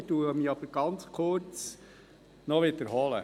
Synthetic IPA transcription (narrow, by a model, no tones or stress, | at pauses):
tuːəmiːɑbəɾɡ̥ɑnt͡skʰʊɾt͡s | nɔʋɪd̪əɾɦɔlə̰